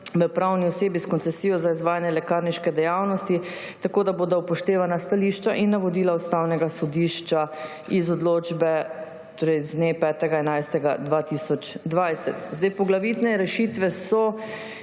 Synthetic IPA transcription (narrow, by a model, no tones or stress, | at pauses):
ʋəpɾawniɔseːbiskɔnt̪sɛsijɔzaizʋaːjanjɛlɛkaːɾniʃkɛd̪ɛjawnɔst̪i | t̪akoːd̪aboːd̪aupɔʃt̪eːʋanast̪aliʃt͡ʃaʔinːaʋod̪iːlaust̪awnɛɡasɔd̪iʃt͡ʃa | izɔd̪loːd͡ʒbɛ | t̪oːɾɛjznepɛːt̪ɛɡaɛnajst̪ɛɡad̪ʋat̪isɔt͡ʃd̪ʋajsɛt̪zd̪ajpɔɡlaʋiːt̪nɛɾɛʃiːt̪ʋɛsɔ